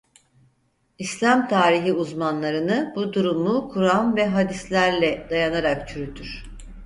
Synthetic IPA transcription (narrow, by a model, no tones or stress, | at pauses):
islʲamt̪ʰaːɾiɦiuzmanlˠaɾɯnɯbud̪uɾumukʰuɾamvɛɦad̪islʲæɾlʲɛd̪̥ajanaɾak̚t͡ʃʰyɾyt̪ʰyɾ̥